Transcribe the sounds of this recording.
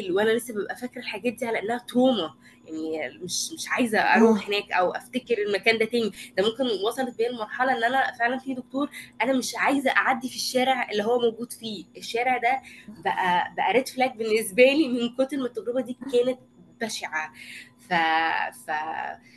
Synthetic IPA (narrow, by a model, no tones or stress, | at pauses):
lwʔænælesːæbebʔæfækɾelħaɡæːt̪̚d̪iːʕalæʔenːæhæt̪oːmæ | jaʕnimeʃmeʃʕajezæʔɑ̰ɾˤuːħhenæːkʔæwʔæ̰ft̪ækeɾelmækæːnd̪æt̪æːnid̪æmomkenwɑsˤɑlet̪̚beːnelmɑɾˤħɑlɑʔenːʔænæfeʕlænfid̪ok̚t̪oːɾˤʔænæmeʃʕajezæʔaʕad̪ːifiʃːæːɾeʕelːiɦowːæmowɡuːd̪fiːʔeʃːæːɾeʕd̪æbæʔæbæʔæɾˤet̪flæːk̚benːesbæːlimenkot̪elmet̪ːæɡɾebæd̪iːkæːnet̪̚bæʃeʕa | fæfæ